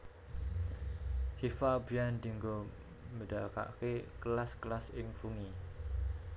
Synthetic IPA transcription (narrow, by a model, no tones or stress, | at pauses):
hifabijand̪i̤ŋɡo | məɖaka̰ʔkeklasklasɪŋfuŋi